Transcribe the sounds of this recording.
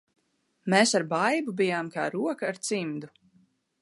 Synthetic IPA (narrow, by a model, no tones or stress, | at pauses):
meːsaɾbajbubijaːmka̰ːɾuɔkaːɾt̪simd̪u